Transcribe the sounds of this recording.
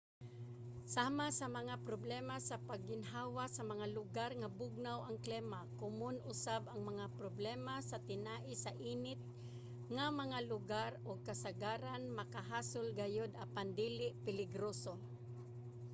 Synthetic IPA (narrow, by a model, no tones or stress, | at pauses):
saːmasɐmɐŋapɾoblɛmasɐpaɡːɪnɦaːwasɐmɐŋalʊɡaɾŋabʊɡ̚nawʔɐŋklɛmakʊmonʔʊsabɐŋmɐŋapɾoblɛmasɐt̪ɪnaːʔɪsɐʔiːnɪt̪̚ | ŋamɐŋalʊɡaɾoɡ̚kɐsaɡaːɾanmɐkaɦaːsolɡajod̪ɐpand̪iːlɪʔpɪlɪɡɾoːso